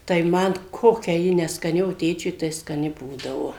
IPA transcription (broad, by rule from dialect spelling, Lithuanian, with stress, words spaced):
tɐɪ ˈmɐn ˈkoːkʲɛ ˈjɪ nʲɛskɐˈnʲɪ oː ˈtʲeːt͡ʃʲʊɪ tɐɪ skɐˈnʲɪ ˈbuːdɐʋoː